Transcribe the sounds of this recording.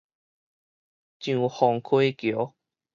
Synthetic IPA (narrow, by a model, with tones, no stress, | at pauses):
t͡ɕjũ˨hɔ˨˩ŋkʰwe˦kjo˨˦